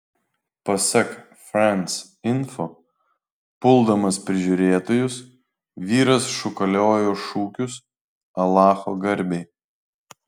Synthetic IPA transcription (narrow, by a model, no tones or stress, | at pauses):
pɐsʲɛk | fɾɛnʲs | ɪnfo | pʊlˠd̪ɐmɐspʲɾʲɪʒʲuːɾʲeːt̪oːjʊs | ʋʲiːɾɐsʃʊkɐlʲoːjoːʃuːkʲʊs | ɐlˠɑːxoːɡɐɾʲbʲɛɪ